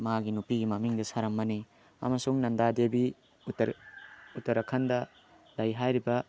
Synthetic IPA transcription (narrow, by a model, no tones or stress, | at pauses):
maɡinupiɡimɐmiŋdɐsaɾɐmːɐni | ɐ̰mɐsuŋnɐndadebi | tɾutɐɾɐkʰɐndɐ | lɐjɦajɾibɐ